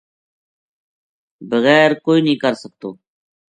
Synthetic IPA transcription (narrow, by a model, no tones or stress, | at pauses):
bəɣɛːɾkoːiːnĩːkəɾsək̚t̪o̰ː